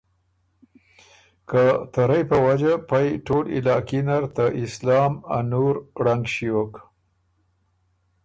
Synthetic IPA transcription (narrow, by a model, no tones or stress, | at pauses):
kət̪aɾajpəwad͡ʒapajʈolɪ̰lɑkinaɾt̪aʔɪslɑma̰nuɾɽaŋɡʃiwok